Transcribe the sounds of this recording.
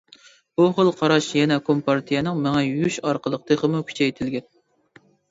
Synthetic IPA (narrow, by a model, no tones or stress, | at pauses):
buχəlˠqʰɑɾɑʃjɛnɛkʰompʰɑɾt̪ʰijɛnɨŋmɛŋɛyʃɑɾqʰəlˠəqt̪ʰɨχəmukʲʰy̥t͡ʃʰɛjt̪ʰɪlɡʲɛn